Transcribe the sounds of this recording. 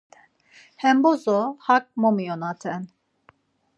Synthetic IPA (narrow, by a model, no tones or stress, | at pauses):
hɛmbozɔhak̚momijonat̪ʰɛn